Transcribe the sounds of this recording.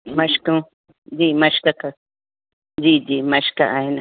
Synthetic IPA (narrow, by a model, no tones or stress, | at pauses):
mãʃkũ | dimãʃkaka | d͡ʒidimãʃka̰ʔahinã